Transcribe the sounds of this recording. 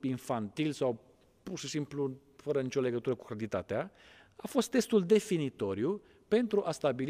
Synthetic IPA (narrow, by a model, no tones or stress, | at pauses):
infant̪ilsaw | purʃisimplu | fəɾənit͡ʃole̞ɡət̪uɾəkukɾat̪it̪at̪eaafo̞st̪ːe̞st̪uld̪e̞finit̪o̞ɾiju | pe̞nt̪ɾuʔast̪abil